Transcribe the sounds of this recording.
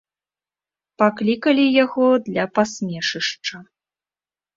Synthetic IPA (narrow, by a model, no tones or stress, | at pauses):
paklʲikɐlʲijaɣɔd̪lʲɐpasʲmʲɛʂɨʂt͡ʂɐ